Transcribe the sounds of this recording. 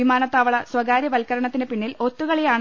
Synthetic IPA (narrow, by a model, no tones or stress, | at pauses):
imaːnɐt̪ːaːʋɐɭɐswɐɡaːɾjɐʋɐlkɐɾɐɳɐt̪ːinepiɳːilo̞t̪ːuɣɐɭejaːɳ